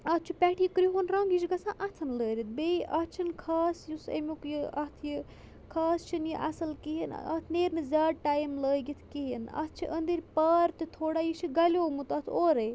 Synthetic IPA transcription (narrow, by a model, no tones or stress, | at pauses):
ɐt̪t͡ʃʰipʲɛʈʰijikɾiɦonɾɐŋɡit͡ʃʰiɡɐsãʔɐt̪ʰɐnləːɾit̪̚ʰbeʔɐt͡ʃʰinkʰaːsjusḛmikjiɐt̪ʰji | kʰɐːst͡ʃʰinjiʔɐ̰sɐlkiɦin̰ɐ̰t̪ʰneːɾnɨzaːʈajmləːjɡit̪ʰkiɦinɐ̰t̪t͡ʃʰiʔənd̪iɾʲpɐɾt̪ɨt̪ʰoːɽajit͡ʃʰiɡɐlʲoːmut̪ɐt̪ʰoɾɐj